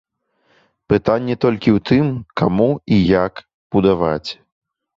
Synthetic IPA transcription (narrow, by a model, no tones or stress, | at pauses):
pɨt̪anʲːɛt̪ɔlʲkʲiwt̪ɨmkamuijak | b̥ud̪ava̰t͡sʲ